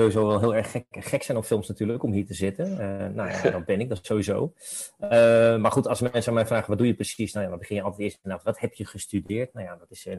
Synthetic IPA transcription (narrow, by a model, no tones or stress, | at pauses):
owʋizowʋɛlˠɦɪːlˠɛɹχɛχɛksɛjnɔpfɪlˠmsnatyːɹləkɔmɦiːɹtəzɪtənənawja̰dɑt̚bɛnɪɡ̚dɑsowʋizowəmaːɹχutɑlˠsmɛɛnsəamɛjfraːχəʋɑtdujəprəsisnawjaʋɑt̚bəχɪnjəɑlˠtɛtɪːɹstənaːtəʋɑthɛpjəχəstydɪːɹtnawjadɑtɪsə